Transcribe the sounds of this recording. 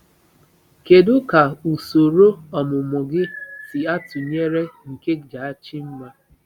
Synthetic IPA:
ke˨dʊ˦ka˨u˨so˨ɾo˦ɔ˨mʊ˨mʊ˨ɡɪ˦sɪ˨a˦tʊ˨ɲe˦ɾe˦ŋ̩˨ke˦d͡ʒa˨a˦t͡ʃi˦m̩˦ma˦

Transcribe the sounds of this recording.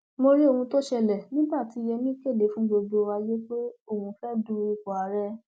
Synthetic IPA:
mo˧ɾi˦o˦˧hũ˧to˦ʃɛ˧lɛ˨nĩ˦ba˦˨ti˨˧˦jɛ˧mĩ˦ke˦˨le˨˦fũ˦ɡ͡bo˧do˧wa˧je˦k͡pe˦o˦˨hũ˧fɛ˦dũ˦˧˦i˧˨kɔ˨a˨˦ɾɛ˧˦

